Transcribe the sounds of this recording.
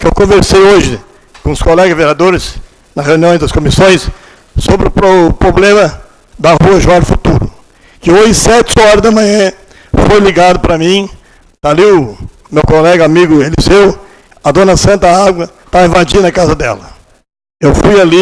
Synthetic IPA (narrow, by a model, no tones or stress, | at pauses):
kɪewkõveɾsejoʒɪ | kõʊskolɛɡɐzveɾiad̪oɾɪs | nɐʁewniõj̃d̪ɐskomisõj̃s | sobɾɪʊpɾopɾoblẽmɐ | d̪ɐhuɐʒuaɾfut̪uɾʊ̰ | kɪojɪsɛt͡ʃɪɔɾɐzd̪ɐmɐ̃ɲɐ̃ | fojliɡad̪ʊpɾɐmĩ | t̪aliʊ | mewkolɛɡɐamiɡʊelizew | ɐd̪õnɐsɐ̃nt̪ɐaɡwɐ | t̪aĩvad͡ʒinɐkazɐd̪ɛ̰lɐ | ewfujali